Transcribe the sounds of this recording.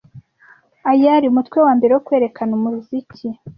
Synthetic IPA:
ajaɾiumutkwe̞waːmbe̞ɾewokwe̞ːɾe̞kʰanumuɾuzici

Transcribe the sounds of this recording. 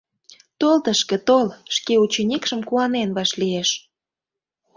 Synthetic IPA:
t̪olt̪əʃkĕt̪olʃkeut͡ɕenʲikʃəmkuɑnenβɑʃlieʃ

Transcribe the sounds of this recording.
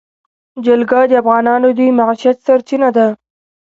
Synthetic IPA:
d͡ʒalɡɑd̪əafɣɑnɑnod̪ujmaʕʃiat̪saɾt͡ʃinad̪a

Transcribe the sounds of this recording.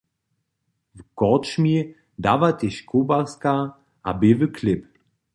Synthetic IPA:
vkɔtʃmi | davatɪʃkʰobaska | a̰bevəkʰlɪp

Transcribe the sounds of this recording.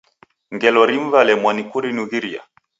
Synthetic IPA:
ŋɡɛlɔɾiɱ̩valɛmwanikuɾinuɣiɾia̰

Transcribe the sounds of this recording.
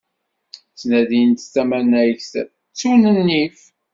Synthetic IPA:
t͡sːnæðint̪θæmænæjçθ | t͡sːunənːif

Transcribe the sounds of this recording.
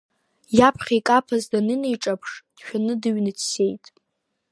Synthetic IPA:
japʰχʲajkʼapʰazdanɨnejʈ͡ʂʼapʰʂd̥ʃᶣanɨdɨɥnɨt͡sʰse̞jtʼ

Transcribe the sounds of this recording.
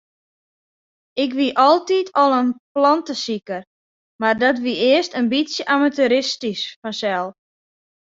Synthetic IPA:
ɪkʋiʔɔlˠtitʰɔlˠənplɔntəsikər | mardɔt̬ʋiʔɪəstənbit͡sjəʔamatyɾɪstisfɔnsɛlˠ

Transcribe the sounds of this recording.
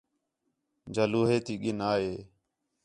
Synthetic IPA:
d͡ʒəluːɦeːt̪iːɠɪnaːɦeː

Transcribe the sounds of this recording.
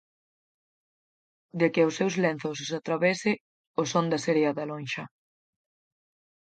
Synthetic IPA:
d̪ekɪʊsːewzlen̟θossat̪ɾaβɛsɪ | osond̪ɐseɾeaðalonʃɐ

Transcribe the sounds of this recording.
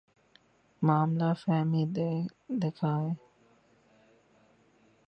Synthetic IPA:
maːmlaːfɛːmiːd̪ed̪eːkʰaːeː

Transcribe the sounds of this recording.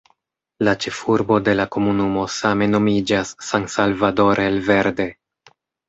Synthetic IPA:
lat͡ʃe̞fuɾbo̞de̞lako̞munumo̞same̞no̞mid͡ʒasːaŋsalvado̞ɾelve̞ɾde̞

